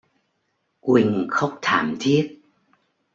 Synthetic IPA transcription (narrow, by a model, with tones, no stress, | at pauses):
kwï˨˧˩ŋ̟xə˦˥wk͡p̚t̪ʰaː˧˩mt̪ʰi˦˥ət̚